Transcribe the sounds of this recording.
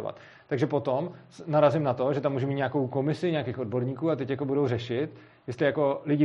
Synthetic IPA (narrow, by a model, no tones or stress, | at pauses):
va̰t̪ | t̪ːaɡʒɛpo̞t̪om | naɾazɪmnat̪oʒɛt̪amːuːʒɛmiːt̪ɲaːko̞wko̞mɪsɪɲaːkexʔod̚bo̞ɾɲiːkuːat̪ɛcjako̞budo̞wrɛʃɪt̪ | jɛst̪lɪjako̞lɪɟɪ